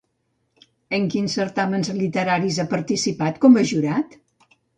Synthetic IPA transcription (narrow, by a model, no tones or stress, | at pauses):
əŋkinsːəɾt̪amənzlit̪əɾaɾizapəɾt̪isipat̪kɔməʒuɾat̪